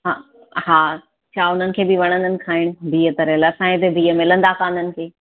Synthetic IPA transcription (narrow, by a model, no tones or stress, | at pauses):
ɦa | ɦaː | t͡ɕʰaːʊn̤ənɪ̆kʰeːbɪʋɐɽ̃ə̃nd̪ənɪ̆kʰaːɪɽ̃̆bʱiːət̪ɐɾelɐsãːẽt̪ebiːəmɪlə̃nd̪akãːnd̪ənɪ̆kʰeː